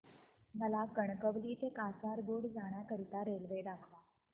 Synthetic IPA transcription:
məlakəɳkəʋliːt̪ekasaɾɡoɽd͡zaɽ̃jakəɾit̪aɾelʋed̪akʰʋa

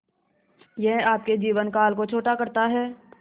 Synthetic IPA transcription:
jɛɦaːp̚ked͡ʒiːʋənkaːlkot͡ʃʰoːʈakɐɾt̪aɦɛː

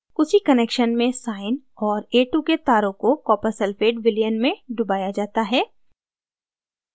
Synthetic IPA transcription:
kʊsikɐneːkʃənmẽsaːɪn | ɔːɾeːʈuket̪aːɾõkokɔːpəɾsɛlfeːʈʋɪlijənmẽɖʊbaːjad͡ʒaːt̪aɦɛː

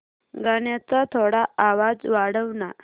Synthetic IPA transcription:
ɡəɳjat͡sat̪ʰoɽaaʋad͡zʋaɽəʋna

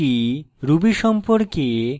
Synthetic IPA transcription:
iɾubiʃɔmpoɾke

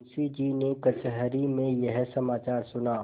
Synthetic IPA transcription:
sid͡ʒiːnekɐt͡ʃɦɾimẽjɐɦsɐmaːt͡ʃaːɾsʊnaː

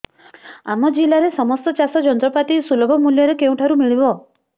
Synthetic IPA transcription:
amɔd͡ʒilaɾesɔmɔst̪ɔt͡ʃasɔd͡ʒɔnt̪ɾɔpat̪isulɔbʱɔmuljɔɾekeũʈʰaɾumiɭibɔ

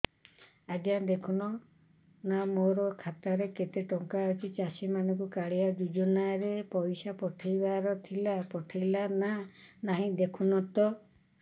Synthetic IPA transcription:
ad͡ʒad̪ekʰunɔ | namoɾɔkʰat̪aɾeket̪eʈɔŋkaɔt͡ʃit͡ʃasimanɔkukaɭiad̪ud͡ʒɔnaɾepɔjsapɔʈʰajbaɾɔt̪ʰilapɔʈʰajlananaɦĩd̪ekʰunɔt̪ɔ

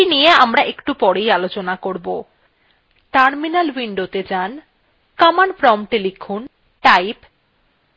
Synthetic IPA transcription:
inijeamɾaʔekʈupɔɽejalot͡ɕonakoɾbo | ʈaɾminalwiɳɖot̪ed͡ʑan | kamanfɾɔmʈelikʰːun | ʈajp

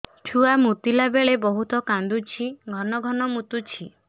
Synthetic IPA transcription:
ʈʰuamut̪ilabeɭebɔɦut̪ɔkãnd̪ut͡ʃʰiɡʱɔnɔɡʱɔnɔmut̪ut͡ʃʰi

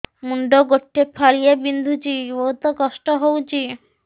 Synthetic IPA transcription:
muɳɖoɡoʈʰːepʰalijebind̪ʱut͡ɕiowt̪okɔʃʈoɦowt͡ɕi

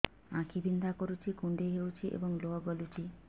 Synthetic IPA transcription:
ãkʰibind̪ʱakɔɾut͡ʃʰikuɳɖeɦewt͡ʃʰiʔḛbɔŋloɔɡɔlut͡ʃʰi

